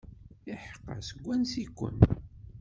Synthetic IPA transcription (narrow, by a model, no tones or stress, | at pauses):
iħqːə̰səɡʷːænsikʷːə̰n